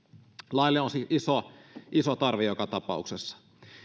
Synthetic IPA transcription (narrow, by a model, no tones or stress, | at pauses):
lɑilːeonsiʔisoʔisot̪ɑrʋejokɑt̪ɑpɑ̰uksesːɑ̥